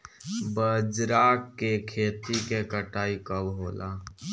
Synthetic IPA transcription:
bəd͡ʒɾaːkːekʰeːt̪ikekəʈaːikəbɦoːlaː

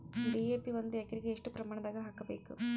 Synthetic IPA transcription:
ɖiːeːpiʋond̪ujɛkɐɾiɡeːʂʈupɾɐmaːɳɐd̪aːɡɐɦaːkɐbe̞ːkṵ

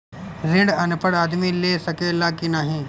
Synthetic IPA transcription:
ɾɪ̃ɳɖɐnpəɽaːd̪milesɐkeːlaːkinaːɦĩː

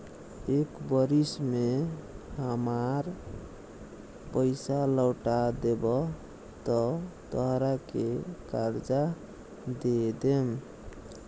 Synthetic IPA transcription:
ekbəɾismeɦəmaɾ | pəjsaləwʈad̪ebɔ | t̪ɔt̪əɦɾakekaɾd͡ʒa | d̪ed̪em

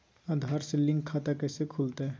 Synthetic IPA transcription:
ãd̪ʱaːɾselɪ̃ŋɡkʰat̪akɛsekʰult̪aɛ

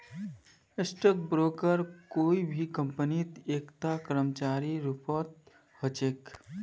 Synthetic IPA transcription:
esʈɔk̚bɾoːkəɾkoːibʱikə̃mpənit̪eːkt̪akəɾəmt͡ʃaːɾiɾupɔːt̪̚ | hət͡ʃeːk

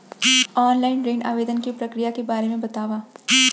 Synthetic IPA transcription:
ɔːnlaːɪnɾeːna̰ːʋeːd̪ənkipɾɐkɾijakebaːɾemẽbɐt̪aːʋaː

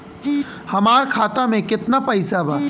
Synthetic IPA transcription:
hɐmaːɾkʰaːt̪amẽkɪt̪napɐɪsabʱaː

